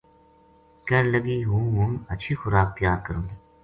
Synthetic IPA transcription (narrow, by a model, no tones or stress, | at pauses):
kɐɾləɡiɦũːɦũmɐtːʃʰixʊɾaːk̚t̪əjaːɾkəɾũːɡi